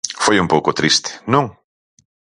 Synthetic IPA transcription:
fojumpowkʊt̪ɾist̪ɪ̥nõŋ

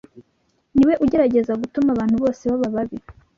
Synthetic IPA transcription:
niwe̞ʔuɟe̞ɾaɟe̞zaɡutumaβaːn̥huβo̞ːseβaβaβaβi

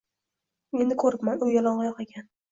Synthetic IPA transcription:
e̞nd̪ɪkʰɵɾɪpmanʊjɒlˠɒɴʁɑjɒqekʲʰan

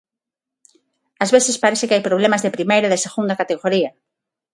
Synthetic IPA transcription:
ɐzβeθespaɾɛsθɪkɪajpɾoβlemɐzðepɾimejɾɐðeseɣund̪ɐkat̪eɣoɾiɐ

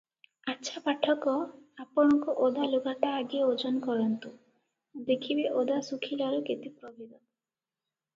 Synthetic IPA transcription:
atːʃʰapaʈʰɔkɔapɔɽ̃ɔkɔʔod̪aluɡaʈaːɡieod͡ʒɔnkɔɾɔnt̪u | d̪ekʰibeʔod̪asukʰilaɾuket̪ipɾɔbʱid̪ɔ

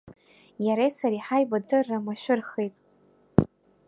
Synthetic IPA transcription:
jaɾejsaɾiħajbadɨrːamaʃʷᶣʊrχejtʼ

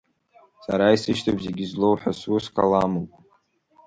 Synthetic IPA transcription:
saɾaisɨʃtʰabzeɡʲizlo̞wħasuskʰalamɨkʼ

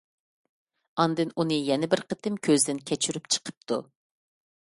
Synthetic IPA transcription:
ɑnd̪ɨnunɨjɛnɪbɪɾqʰət̪ʰɨmkʲʰøzd̪ɪnkʲʰɛt͡ʃʰyɾypt͡ʃʰə̥qʰəp̚t̪ʰu

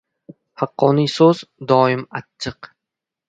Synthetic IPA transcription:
hɑqːɒnisozd̪ɒːɪmatt͡ʃʰːɨq

